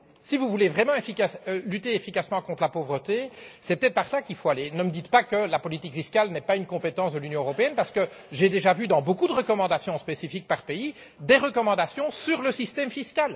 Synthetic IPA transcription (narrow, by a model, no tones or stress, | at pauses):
sivuvulevʁɛmɑ̃efikaslyt̪eefikasmɑ̃kɔ̃t̪χlapovʁət̪esɛpət̪ɛt̪χpaʁsakilfoalenəməd̪it̪pakəlapɔlit̪ikfiskʲalnɛpaynkɔ̃pet̪ɑ̃sd̪əlynjɔ̃øʁɔpeɛnpaʁsə̥kə | ʒed̪eʒavyd̪ɑ̃bokud̪əʁəkɔmɑ̃d̪asjɔ̃spesifik̚paʁpei | d̪eʁəkɔmɑ̃d̪asjɔ̃syʁləsist̪ɛmfiskʲal